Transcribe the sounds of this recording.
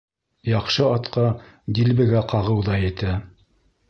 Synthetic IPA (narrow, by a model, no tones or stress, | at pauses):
jɑqʃɤɑt̪qɑ | d̪ilbɘ̆ɡæqɑʁɤwðɑjɘ̆t̪æ